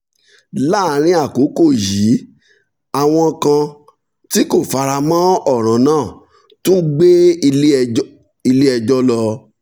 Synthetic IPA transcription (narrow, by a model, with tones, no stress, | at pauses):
la˦˨˦ɾ̃ĩ˧a˦˨ko˨˦ko˦˨ji˨˦ | a˨w̃ɔ̃˧kã˧ | ti˦ko˦˨fa˧ɾa˧mã˦ɔ˦˨ɾ̃ã˨˦nãː˦˨ | tũ˦ɡ͡be˦˧˦ | i˧le˦ɛ˧d͡ʒɔ˦lɔ˧